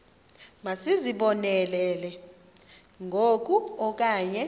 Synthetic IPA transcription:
masiziɓɔnɛlɛːlɛ | ŋʱok̬ʼuɔk̬ʼaːɲɛ

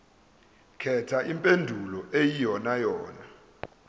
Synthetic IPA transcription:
kʰɛtʰaʔimpʼendʱulɔʔejijɔnajɔːna

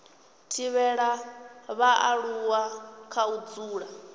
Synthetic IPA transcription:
tʰiβɛɺaβaʔa̰ɺuwakʰaud͡zuːɺa

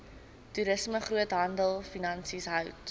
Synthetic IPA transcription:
tuɾəsməχruətɦɐndəlˠfinɐnsisɦœwt

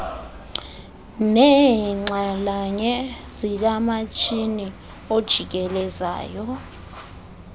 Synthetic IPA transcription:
nɛŋ͡ǀalaɲɛzilamat͡ʃʰʼini | od̥ʒ̥ʱik̬ɛlɛza̰ːjɔ

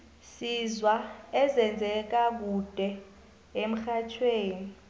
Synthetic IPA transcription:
sizwaɛzɛnd͡zʱɛk̬ak̬ud̥ʱɛ | em̩xat͡ʃʰweːni

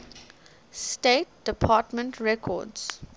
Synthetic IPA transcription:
steːt̚d̥əpʰaːtmə̃ntʰɹɛkʰɔ̰ds

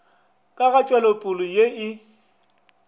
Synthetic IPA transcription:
kʼaɣat͡ʃʼwɛlopʼʊlʊjeɪ

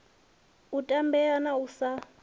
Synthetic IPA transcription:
utʼambɛanausa

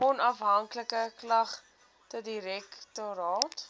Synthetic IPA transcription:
ɔnɐfɦɐŋkləkəklɐχ | tɔt̚diɾɛktoɾɑːt

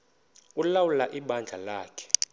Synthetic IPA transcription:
ulawulaʔiɓand͡ɮʱalaːkʰɛ̥

